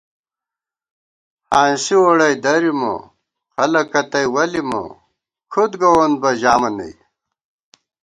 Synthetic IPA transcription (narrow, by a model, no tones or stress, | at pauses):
haːnsioɽɐjd̪ɐɾimo̰ | xɐlɐkːɐt̪ɐjwɐlimo̰ | kʰud̪ɡɐwonbɐʑaːmɐnɐ̰j